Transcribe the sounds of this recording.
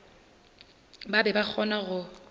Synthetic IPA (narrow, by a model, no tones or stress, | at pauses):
babɛbak͡xʰɔnaɣʊ